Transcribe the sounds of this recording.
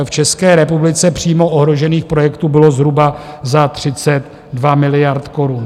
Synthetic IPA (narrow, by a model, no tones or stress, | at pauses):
ft͡ʃɛskɛːɾɛpublɪt͡sɛpr̝̥iːmo̞ʔoɦɾo̞ʒɛniːxpɾo̞jɛkt̪ubɪlo̞zɦɾuba | zat̪r̝̥ɪt͡sɛt̪ | dvamɪlɪjaɾt̪ko̞ɾun